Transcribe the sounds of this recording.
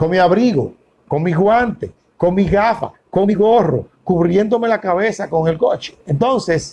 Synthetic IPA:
koŋmiaβɾiɣo̰ | ko̞ŋmiɣwant̪e | ko̞ŋmiɣafa̰ko̞miɣo̞ro̰ | kuβɾje̞nd̪o̞me̞lakaβe̞sako̞ŋe̞lko̞t͡ʃe̥ent̪o̞nse̞s

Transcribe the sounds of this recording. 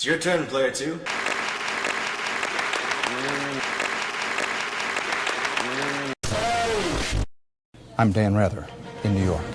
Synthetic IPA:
sjə˞tʰɜ̃˞npʰl̥eɪə˞tʰʉ | ãɪ̃mdæ̃nɹɛðə̰˞ɨ̃nːʉjɔɹk

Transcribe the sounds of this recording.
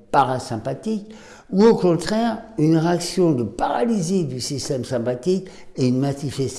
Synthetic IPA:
paʁasɛ̃pat̪ik | uokɔ̃t̪χɛʁynʁeaksjɔ̃d̪əpaʁalized̪ysist̪ɛmsɛ̃pat̪ik | eynmat̪ifɛs

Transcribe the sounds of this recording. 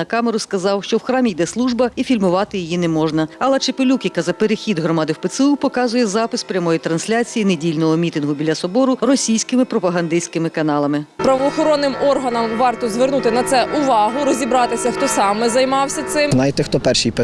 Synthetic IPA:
ɐkɑmeɾʊskɐzɑwʃt͡ʃɔwxɾɑmʲijd̪ɛslˠuʒbɐifʲilʲmʊʋɑt̪ɪjijinɛmɔʒnɐɐlˠɛt͡ʃɪpelʲukʲjɐkɐzɐpeɾexʲid̪ɦɾɔmɑd̪ɪwpet̪sɪupɔkɑzʊjɛzɑpɪspɾʲɐmɔjit̪ɾɐnsʲlʲat͡sʲijinedʲilʲnɔɦɔmʲit̪ɪnɦʊbʲilʲːɐsɔbɔɾʊrɔsʲijsʲkɪmɪpɾɔpɐɦɐnd̪ɪsʲkɪmɪkɐnɑlˠɐmɪpɾɐʋɔːxɔɾɔnːɪmɔrɦɐnɐmʋɑrt̪ɔzʋernut̪ɪnɐt̪sɛʔʊʋɑɦʊɾɔzʲibɾɑt̪ɪsʲɐxt̪ɔsɑmɛzɐjmɑwsʲɐt̪sɪmnajt̪ɪxt̪ɔpɛrʃijpɛ

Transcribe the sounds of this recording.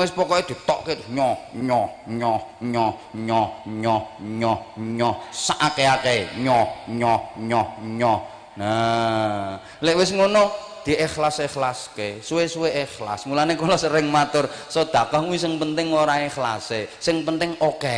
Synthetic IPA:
wɪspɔkɔed̪̥i̤t̪ɔʔketɲɔhɲɔhɲɔhɲɔɲɔɲɔɲɔɲɔsaʔakeakeɲɔɲɔhɲɔhɲɔh | na | leʔwɪsŋonɔ | d̪̥i̤ʔɪxlasexlaskesuwesuweʔexla̰smulanekolɔsəɾɪŋmat̪ʊrsɔd̪̥ä̤kaŋuwisɪŋpənt̪ɪŋoɾaexla̰sesɪŋpənt̪ɪŋoke

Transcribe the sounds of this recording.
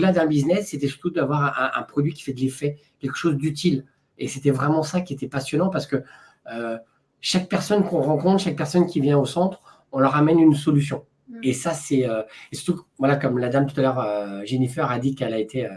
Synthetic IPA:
od̪lad̪ɛ̃biznɛsːet̪ɛsy̥ʁt̪ud̪avwaʁʔɛ̃ʔɛ̰̃pχɔd̪ɥikʲi̥fɛd̪əlefɛ | kʲɛlkə̥ʃozd̪yt̪̬il | eset̪ɛvʁɛmɑ̃sakʲiet̪ɛpasjɔnɑ̃paʁsə̥kə | ø | ʃak̚pɛʁsɔnkɔ̃ʁɑ̃kɔ̃t̪ʃak̚pɛʁsɔnkʲivjɛ̃osɑ̃t̪χ | ɔ̃lœʁamɛnyns̬ɔlysjɔ̃ | esasɛøesy̥ʁt̪uvwalakɔmlad̪amt̪u̥t̪alœʁøʒenifɛʁad̪ikɛlaet̪ʰeø

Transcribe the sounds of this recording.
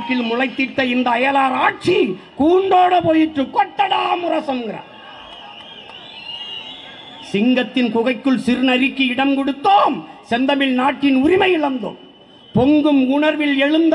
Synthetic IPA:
ʈːɪlmʊɻɐɪt̪ːɪt̪ːɐɪnd̪ɐːjɐlaːɾaːʈ̚t͡ʃi | kuːɳɖoːɽɐpoːjɪʈrɯkɔʈːɐɽaːmʊɾɐsɐmɡɪɾɐ̰ | sɪŋɡɐt̪ːɪnkʊɣɐɪkːɯɭsɪɾɯnɐɾɪkːɯɪɽɐmkɔɽɯt̪ːoːmsɛnd̪ɐmɪlnaːʈːɪnʊɾɪmɐjɪɭɐnd̪o̰ːm | pɔŋɡɯmʊɳɐɾʋɪlɛɻɯnd̪

